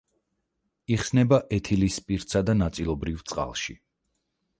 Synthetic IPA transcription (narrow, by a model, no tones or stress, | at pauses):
iχsnɛbaʔɛt̪ʰilispʼiɾt̪sad̪anat̪sʼilˠɔbɾivt̪sʼqʼa̰lˠʃḭ